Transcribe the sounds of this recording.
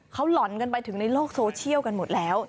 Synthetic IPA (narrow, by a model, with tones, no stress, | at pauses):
kʰa˦˥wlɔ˨˩˦nka˧npa˧jt̪ʰɯ˨˩˦ŋna˧jloː˥˩k̚soː˧t͡ɕʰi˥˩əwka˧nmo˨˩t̪̚lɛː˦˥w